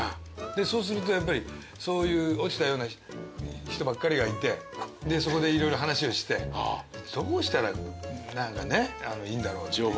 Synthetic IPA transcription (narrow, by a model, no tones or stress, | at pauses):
a | d̪e̞so̞ːs̬ɨɾɯ̟t̪̬o̞japːaɾʲi | so̞ːjɯ̟ːo̞t͡ɕi̥t̪ajo̞ːna | çi̥t̪o̞bakːaɾʲiɡait̪e̞d̪e̞so̞ko̞d̪e̞iɾo̞jɾo̞ɦanaɕio̞ɕi̥t̪e̞d̪̥oːɕi̥t̪aɾanãŋkane̞anoĩːnd̪aɾo̞ːt͡ɕiom